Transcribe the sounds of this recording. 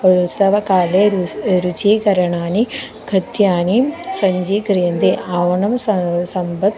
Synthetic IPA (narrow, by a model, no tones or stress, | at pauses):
ɐusɐʋɐkaːleɾut͡ʃiːkɐɾɐɳaːni | ɡʱɐd̪jaːnisɐɲd͡ʒiːkɾjɐnd̪eʔaːʋɐnɐmssɐmbɐd̪